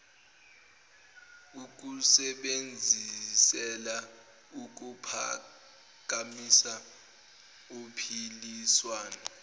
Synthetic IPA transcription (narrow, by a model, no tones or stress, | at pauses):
uk̬usɛɓend͡zʱisɛla | uk̬upʰa̰ | k̬ʼamisa | opʰiliswaːna